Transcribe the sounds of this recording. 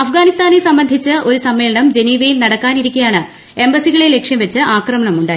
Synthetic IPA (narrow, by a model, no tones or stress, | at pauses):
ɐfɡaːnist̪aːnesɐmbɐnd̪ʱit͡ɕːɨʔo̞ɾusɐmːeːlɐɳɐmd͡ʑe̞niːʋɐjilnɐɽɐkːaːniɾikʲːijaːɳɨ | e̞mbɐsiɣɐɭele̞kʂjɐmʋɐt͡ɕːɨʔaːkrɐmɐɳɐmuɳɖaːj